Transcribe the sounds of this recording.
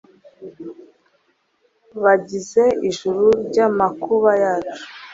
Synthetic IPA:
βaɟize̞iʒuɾuɾɟamakuβajaːt͡ʃu̥

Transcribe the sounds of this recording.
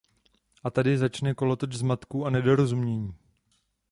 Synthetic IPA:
ʔat̪adɪzat͡ʃnɛko̞lot̪ot͡ʃzmat̪kuʔanɛdo̞ɾozumɲɛɲiː

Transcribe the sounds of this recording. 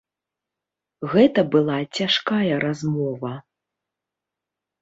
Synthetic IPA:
ɣɛt̪ɐbɨlˠat͡sʲaʂkajɐɾazmɔvɐ

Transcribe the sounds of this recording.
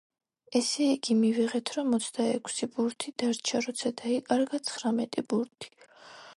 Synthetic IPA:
ɛsɛiɡ̥imiviʁɛt̪ʰɾɔmɔt̪sʰd̪aɛkʷʰsibuɾt̪ʰid̪̥aɾt͡ʃʰaɾɔt̪sʰad̪aikʼaɾɡat̪sʰχɾamɛt̪ʼibuɾt̪ʰi̥

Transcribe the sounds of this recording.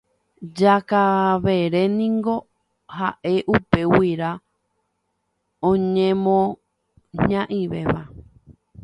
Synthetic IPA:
d͡ʒakaʋe̞ɾenĩŋɡo̞ | haʔe̞ʔupe̞wiɾa | õɲẽmõ | ɲãʔĩʋe̞ʋa̰

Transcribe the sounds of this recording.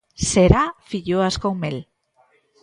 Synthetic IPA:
seɾafiʎoaskomel

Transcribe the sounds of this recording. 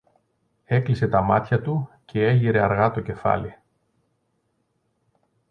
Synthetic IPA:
e̞klise̞t̪ɐmɐt̪çɐt̪ucʰe̞e̞ʝiɾe̞ɐɾɣɐt̪o̞ce̞fɐ̰li

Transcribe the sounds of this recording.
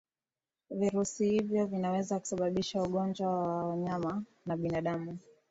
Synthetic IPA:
viɾusihivjɔvinawɛzaku̥saɓaɓiʃauɠɔnd͡ʒwawawaɲama | naɓinaɗamu

